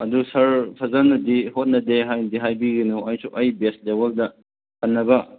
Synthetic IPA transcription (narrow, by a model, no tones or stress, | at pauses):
ɐdusɐɾpʰɐzɐnːɐdihot̚nɐdeɦajndiɦajbiɡinuɐjsuʔɐjbest̚lebɐldɐ | kʰɐnːɐbɐ